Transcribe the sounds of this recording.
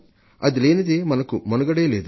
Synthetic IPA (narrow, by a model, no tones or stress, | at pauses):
ɐd̪ileːnid̪emɐnɐkumonɐɡɐɽeːle̞ːd̪u